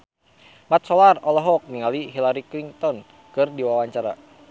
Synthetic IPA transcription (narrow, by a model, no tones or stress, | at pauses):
mat̪̚sɔlarɔlɔɦɔk̚niŋaliɦilaɾikliŋt̪ɔn | kɨrdiwawaɲt͡ʃaɾa̰